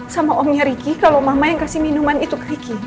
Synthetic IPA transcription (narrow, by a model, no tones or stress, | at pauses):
samaʔɔmɲaɾiɡikalomamajaŋkasihminumanit̪ukɾiɡi